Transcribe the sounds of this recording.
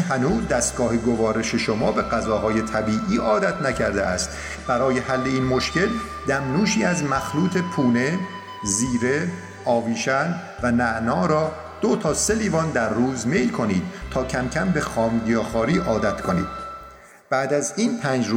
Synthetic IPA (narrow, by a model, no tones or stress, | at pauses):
hænuːzd̪æst̪̚ɡɒːheɡo̞vɒːɾe̞ʃe̞ʃomɒːbe̞ɣæzɒːɦɒːje̞t̪ʰæbiːʔiːʔɒːd̪æt̪ʰnæcʰæɾd̪ḛʔæst̪ | b̥æɾɒːje̞hælːe̞iːnmo̞ʃce̞l | d̪æmnuːʃiːæzmæxluːt̪ʰe̞pʰuːne̞ | ziːɾe̞ | ɒːviːʃæn | vænæʔnɒːɾɒː | d̪̥ot̪ʰɒːse̞liːvɒnd̪æɾːuːzme̞jlkʰo̞niːd̪̥̚t̪ʰɒːcʰæmcʰæmbe̞xɒːmd̪ijɒːxɒːɾiːʔɒːd̪æt̪ʰkʰo̞nḭːd̪̥̚ | b̥æːd̪æziːnpʰæːnd͡ʒɾu